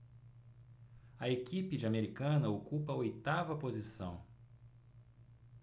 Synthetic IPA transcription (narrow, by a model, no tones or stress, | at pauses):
ɐekipɪd͡ʒɪameɾikɐ̃nɐokupɐɐojt̪avɐpozisɐ̰̃w̃